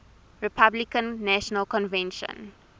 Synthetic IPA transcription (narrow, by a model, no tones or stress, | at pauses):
ɹipʰablikə̃nːæʃɔnəlkɔ̃nvɛ̃nʃə̰̃n